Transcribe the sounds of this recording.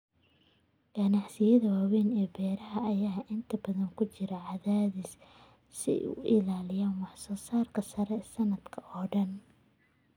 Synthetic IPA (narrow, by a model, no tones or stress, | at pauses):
ɡ̥ɐnɑħsɪjɐðɐwaːwɛːnɛːbɛːɾɐɦɐːjaːʔɪnt̪ʰɐbɐðɐŋkʰʊt͡ʃɪɾɐʕɑðaːðis | sɪ̰ʔʊ̰ʔɪ̰laːlɪjaːnwɑħsɔːsaːrkʰɐsɐɾɛsɐnɐd̪kʰɐʔɔːɖɐn